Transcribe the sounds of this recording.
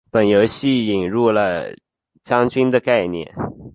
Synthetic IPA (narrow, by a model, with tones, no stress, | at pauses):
pə˨˩njo˧˥ʊɕi˥˩i˨˩nɻu˥˩lə˩ | t͡ɕjɑ˥ŋt͡ɕy˥nd̪ə˨ka˥˧ɪnjɛ̰˥˩n